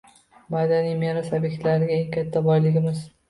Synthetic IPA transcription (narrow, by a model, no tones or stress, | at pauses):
mad̪anijmeɾasabekʲt̪laɾɪɡʲaeŋkʲʰat̪ʰːabɒjlɪɡʲɪmɪz̥